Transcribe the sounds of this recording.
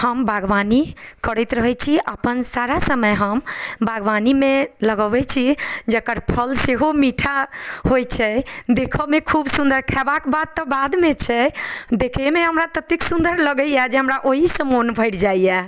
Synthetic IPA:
həmbʱəɡʋanikəɾəjt̪ɾəɦɛt͡ʃʰiʔəpənsaɾasəməjɦəmbʱəɡʋanimeləɡəbɛt͡ʃʰid͡ʒəkəɾpʰəlseɦomiʈʰahojt͡ʃʰɛd̪ekʰəmekʰubsũnd̪əɾkʰabakbad̪̚t̪ːəbad̪met͡ʃʰɛd̪ekʰɛmeɦəmɾat̪ət̪iksũnd̪əɾləɡəjad͡ʒeɦəmɾaʔoɦisə̃monbʱəɪʈʰd͡ʒaijɛ

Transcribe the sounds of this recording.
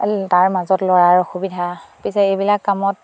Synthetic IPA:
taɹmazɔtlɔɹaɹxubidʱapisɛebilakːamɔt̚

